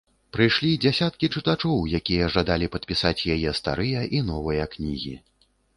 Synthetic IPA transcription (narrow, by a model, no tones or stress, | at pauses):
pɾɨjʂlʲid͡zʲasʲat̪kʲit͡ʂɨt̪at͡ʂɔwjakʲijɐʐad̪alʲipɐt̪̚pʲisat͡sʲjajɛst̪a̰ɾɨjɐʔin̪ɔvɨjɐknʲiɣʲḭ